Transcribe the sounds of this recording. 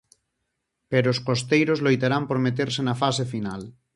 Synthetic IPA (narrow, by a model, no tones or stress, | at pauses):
peɾoːskost̪ejɾozlojt̪aɾampoɾmet̪̬eɾsenafasefinal